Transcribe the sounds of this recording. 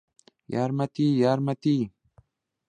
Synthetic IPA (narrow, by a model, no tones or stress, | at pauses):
jaɾmat̪iːjaɾmat̪iː